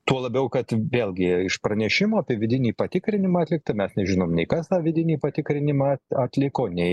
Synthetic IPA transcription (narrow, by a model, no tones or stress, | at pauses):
t̪uɔlˠɐbʲɛʊkɐt̪ʋʲeːlʲˠɡʲɪɪʃpɾɐnʲɛʃʲɪmoːɐpʲiɛʋʲɪd̪ʲɪnʲiːpɐt̪ʲɪkɾʲɪnʲɪmɐɐtʲlʲɪkt̪ɐmʲɛsnʲɛʒʲɪnoːmnʲɛɪkɐst̪ɑːʋʲɪd̪ʲɪnʲiːpɐt̪ʲɪkɾʲɪnʲɪmɑɐt̪ʲlʲɪkoːnʲɛɪ